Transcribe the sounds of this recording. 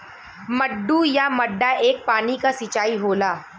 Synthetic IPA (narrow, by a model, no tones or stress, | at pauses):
mɐɖːujamɐɖːaʔeːk̚paːnikasit͡ʃaːiɦoːlaː